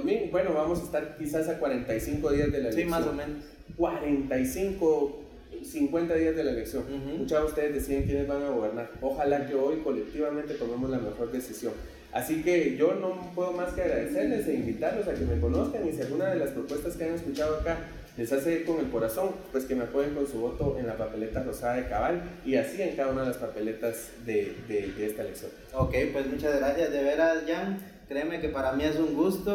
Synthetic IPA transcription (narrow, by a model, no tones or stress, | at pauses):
mjibwe̞no̞βamo̞saest̪aɾkisasakwaɾe̞nt̪ajsiŋkoðiazd̪e̞laessajomeno | kwaɾe̞nt̪ajsiŋko | siŋkwe̞nt̪aðiazðe̞laeleksjo̞ŋmut͡ʃaust̪e̞ðezd̪e̞siðeŋkje̞ne̞zbaŋaɣo̞βe̞ɾnaɾoxalakeojko̞le̞k̚t̪iβament̪e̞t̪ome̞mozlame̞xo̞ɾd̪e̞sisjo̞ŋ | a̰sike̞ʝo̞no̞pwe̞ðo̞maskeaɣɾaðe̞se̞ɾle̞seimbit̪aɾlo̞sake̞me̞ko̞no̞skaŋisealɡunaðe̞laspɾo̞pwe̞st̪askeaŋe̞skut͡ʃað̞oaka | le̞saseko̞ŋe̞lko̞ɾaso̞ŋpwe̞skemeakweɣeŋko̞nsuβo̞t̪o̞ʔe̞nlapape̞le̞t̪aro̞saðaðekaβaliasie̞ŋkaðaunaðelaspape̞le̞t̪az | d̪ed̪ed̪eest̪aleksjo̞̰ŋ | okejpwe̞smut͡ʃazɣɾasjazd̪eβeɾasʝaŋ | kɾeːmekepaɾamie̞s̬uŋɡust̪o